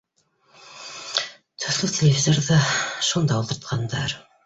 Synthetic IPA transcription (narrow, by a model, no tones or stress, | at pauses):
t̪ʰɵ̆θlɘtʲʰelʲevʲizʲeɾðɑʃund̪ɑulˠt̪ɤ̆ɾt̪̚qʰɑnd̪ɑɾ